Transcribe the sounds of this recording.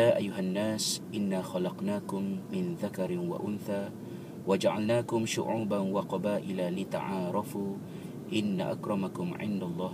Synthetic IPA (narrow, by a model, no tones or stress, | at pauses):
aːʔajːʊɦanːaːsʔɪnːaːxɑlɑqnaːkʊmːɪnðakɑɾwa̰ʔʊnθaː | wad͡ʒaʕa̰lnaːkʊmʃʊ̰ʕuːbanwɑqɑbaːʔɪlalɪt̪a̰ʕɑːɾˤɑfuː | ʔɪnːa̰ʔa̰kɾˤɑmakʊmʕɪ̰nd̪alˤːɑːh